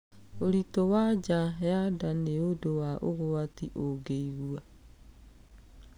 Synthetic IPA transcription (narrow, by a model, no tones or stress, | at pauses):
oɾitowad͡ʒajadaneodowaʔo̰ɣowatiʔoɡeiɣua